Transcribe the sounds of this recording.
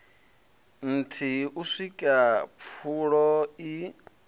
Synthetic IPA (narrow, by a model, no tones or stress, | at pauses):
n̩tʰiuʂikʼap̪fʰuɺɔi